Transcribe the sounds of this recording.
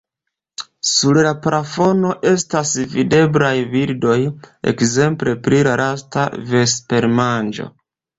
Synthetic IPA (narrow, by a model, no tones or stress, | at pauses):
suɾlapɾafo̞no̞ʔe̞stasvide̞blajviɾdo̞je̞̰kze̞mple̞pɾilaɾasta̰ve̞spe̞ɾmand͡ʒo̞̰